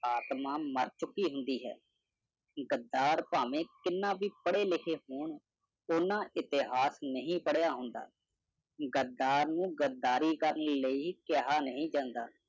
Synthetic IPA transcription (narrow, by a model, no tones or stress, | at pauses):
aːt̪mãːməɾt͡ʃʊkːiːɦʊnd̪iːɦɛ̰ː | ɡəd̪ːaːɾpaːʋẽːkɪnːãːʋiːpəɽeːlɪkʰeːɦoːɳ | ʊnãːʔɪt̪ɪɦaːsnəɦĩːpəɽjaːɦʊnd̪a̰ː | ɡəd̪ːaːɾnũːɡəd̪aːɾiːkəɾənləiːkeɦaːnəɦĩːd͡ʒãːnd̪a̰ː